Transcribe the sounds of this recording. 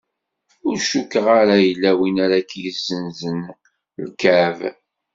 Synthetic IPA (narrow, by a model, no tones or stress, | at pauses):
ʊɾʃukəʁaɾajəlːæwinaɾakːjəzːənzən | lkæv